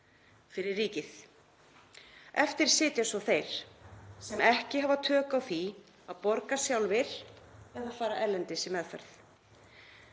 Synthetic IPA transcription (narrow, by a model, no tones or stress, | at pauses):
fɪɾɪrːiːcɪθ | ɛft̪ɪɾ̥sɪːt̪jasɔθejɾ̥sɛmɛhcɪɦavat̪ʰœːkawθi | aðpɔɾkasjawlvɪɾ̥ | ɛðaðfaːɾaʔɛɾlɛnt̪ɪsɪmːɛðfɛ̰ɾθ